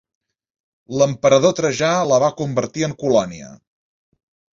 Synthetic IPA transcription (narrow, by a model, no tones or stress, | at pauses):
ləmpəɾəðot̪ɾəʒaləβakumbəɾt̪iəŋkulɔniə̰